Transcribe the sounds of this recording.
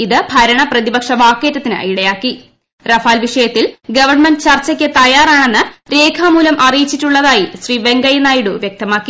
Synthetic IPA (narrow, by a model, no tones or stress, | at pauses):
iðɨbʱɐɾɐɳɐprɐðibɐkʂɐʋaːkːeːtːɐt̪ːinɨ̰iɽɐjaːkːi | rɐfaːlʋiʂɐjɐt̪ːilɡɐʋɐrɳmendɨt͡ɕɐrt͡ɕːɐkʲːɨt̪ɐjaːraːɳe̞nːɨɾe̞ːkʰaːmuːlɐmʔɐrijit͡ɕːitːuɭːɐðaːjiɕriːʋe̞ŋɡɐjɐnaːjiɽuʋjek̚t̪ɐmaːkːi